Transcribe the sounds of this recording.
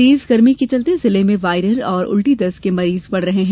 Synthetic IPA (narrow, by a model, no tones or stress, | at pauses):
iːzɡɐɾmiket͡ʃɐlt̪ezɪlemẽʋaːɪɾəɾɔːɾʊ̰lʈid̪ɐskemɐɾiːzpɐɽɾɐɦeɦɛ̃ː